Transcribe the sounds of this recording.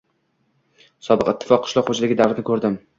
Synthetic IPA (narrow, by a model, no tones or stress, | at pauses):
sɒbɨqɪt̪ʰːɪ̥fɒqʰːʊ̥ʃlɒqχod͡ʒalɪɡʲɪd̪aɾɪnɪkʰɵɾd̪ɪm